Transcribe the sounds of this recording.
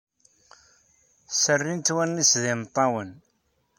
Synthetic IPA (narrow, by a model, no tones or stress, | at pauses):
sərːint̪wænːisðɪnt̪ˤːɑwən